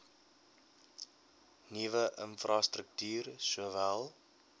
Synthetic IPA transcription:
nivəʔə̰nfrʔɑstrək̚tyːrsuəvælˠ

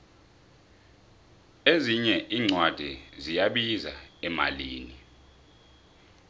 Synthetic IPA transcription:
eziɲɛʔiːŋ͡ǀʱwad̥ʱizijaɓiza̰ɛma̰liːni

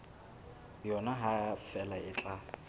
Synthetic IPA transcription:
jɔnaɦafɛlaɪt͡ɬʼa

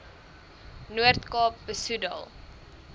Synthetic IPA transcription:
nuərtkɑːp̚bəsudɐ̰lˠ

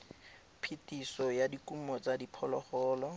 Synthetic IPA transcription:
pʰitisɔjadikʼumɔt͡sadipʰɔlɔχɔːlɔ

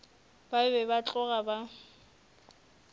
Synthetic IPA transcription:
baɪbɛbat͡ɬʼɔɣaba

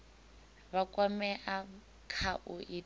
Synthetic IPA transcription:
βakʼwamɛʔa | kʰaʔʊʔi

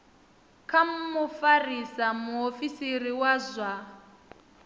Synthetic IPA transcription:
kʰam̩mufarisamuofisiriwazʷa

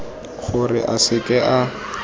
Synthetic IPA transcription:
χʊrɪ̰ʔasɪkʼɛʔa

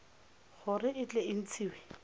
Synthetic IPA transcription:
χʊrɪʔɪt͡ɬʼɛɪn̩t͡sʰiːwɛ

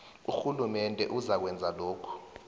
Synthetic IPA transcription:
uxulumɛndʱɛ̰ʔuzak̬wɛnd͡zʱaloːkʰu̥

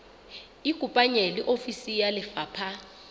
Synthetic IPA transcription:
iɡ̥ʱupʼaɲeliʔofisijalɪfaːpʰa

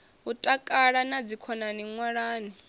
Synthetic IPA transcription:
ɦutʼakʼaɺanad͡zikʰɔnaniŋwaɺaːni

